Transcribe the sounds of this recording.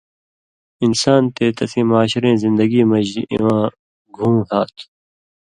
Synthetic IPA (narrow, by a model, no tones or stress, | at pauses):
ɪnsaːnt̪eːt̪ɐsĩːmaːɕɾẽːzɪ̃nd̪əɡiːmɐd͡ʑiʔḭwãː | ɡʱũːmhaːt̪ʰ